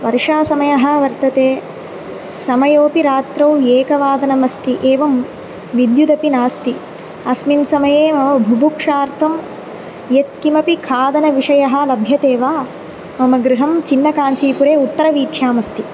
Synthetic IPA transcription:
ʋɐɾiʂaːsɐmɐjɐɦɐ̆ʋɐɾt̪ɐt̪eː | sɐmɐjoːpiɾaːt̪ɾɐwjeːkɐʋaːd̪ɐnɐmɐst̪iʔeːʋɐm | ʋid̪jud̪ɐpinaːst̪i | ɐsminsɐmɐjeːmɐmɐbʱubukʂaːɾt̪ʰɐm | jet̪̚kimɐpikʰaːd̪ɐnɐʋiʂɐjɐɦɐ̆lɐbʱjɐt̪eːʋaː | mɐmɐɡɾɪɦɐmt͡ʃinːɐkaːnt͡ʃiːpuɾeːut̪ːɐɾɐʋiːt̪ʰjaːmɐst̪i

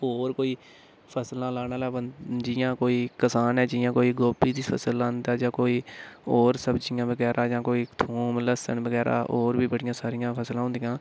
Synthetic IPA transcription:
oːɾkoːiː | pʰəslãːlaːnaːlɛːəd͡ʒɪjãːkoːiːkəsaːnɛːd͡ʒɪːjãːkoːiːɡoːpiːd̪iːpʰə̰səlːaːnd̪aːd͡ʒãːkoːiːoːɾsəbd͡ʒɪjãːbəɡɛːɾʔaːd͡ʒãːkoːiːt̪ʰuːmləsə̰nbəɡɛːɾa̰ːʔoːɾbiːbəɽɪjãːsaːɾɪjãːpʰəslãːɦʊ̃nd̪ɪjãː

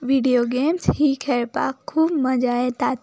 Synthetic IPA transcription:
ʋiːɖijoːɡeːmshikʰɛɾpa̰ːkʰːuːbməd͡ʒaːet̪aːt̪

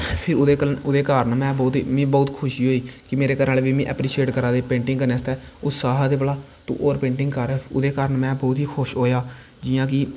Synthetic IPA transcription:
pʰɪɾʊd̪eːəʊd̪eːkaːɾənmɛ̃ːbɔːt̪iːmĩːbɔːt̪kʰʊʃiːɦoːiːkɪmeːɾeːkəɾnaːlːʋiːmĩːʔɛ̰pɾiːʃeːʈkəɾaːd̪eːpẽːɳʈɪ̃ŋɡkəɾneːst̪ɛːʊt̪saːɦaːd̪eːbəlaː | t̪ṵ̃ːʔoːɾpẽːɳʈɪŋɡkəɾʊ̰d̪eːkaːɾənmɛ̃ːbɔːt̪ɦiːkʰʊʃɦoːjaː | d͡ʒɪjãːk̬ɪː

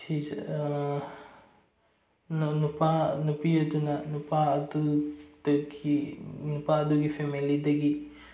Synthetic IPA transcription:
t͡ʃʰiz | nnupanupiud̪unɐnupaːd̪ud̪̥ɡinupaːd̪uɡipʰemilid̪ɐɡi

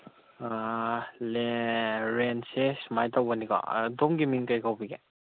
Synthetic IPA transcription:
aleɾensesmajtawbɐniɡɔ̰domɡiminkajkawbiɡe

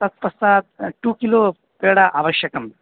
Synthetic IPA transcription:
t̪ɐt̪̚pɐsaːt̪̚ʈuːkiloː | peːɽɐʔaːʋɐʃjɐkɐm

